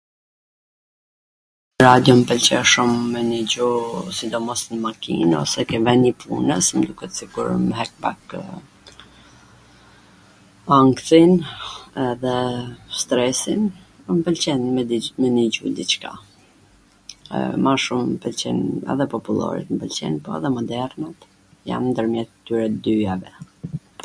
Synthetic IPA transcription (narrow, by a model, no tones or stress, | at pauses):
ɾad̪jɔmpəlt͡ɕɛʃumːɛnid͡ʑusid̪ɔmɔsnmakḭnɔ̰sɛkɛvɛnipʰṵnəsmd̪ukɛt̪ə̥siɡuɾmɦɛk̚ba̰k | aŋkθinɛðɛst̪ɾɛsin | mpəlt͡ɕɛnmɛniɟṵd̪it͡ʃka̰ | maʃumpəlt͡ɕɛnɛ̰ðɛpɔpulˠɔ̰ɾḭt̪mpəlt͡ɕɛ̰npɔɛ̰ðɛmɔd̪ɛɾnat̪ | ja̰mnd̪əɾmjɛt̪t̪ːyɾɛd̪yavɛ